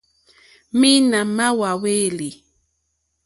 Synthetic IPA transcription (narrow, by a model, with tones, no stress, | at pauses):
mi˦na˨ma˦wa˨we˦˨li˨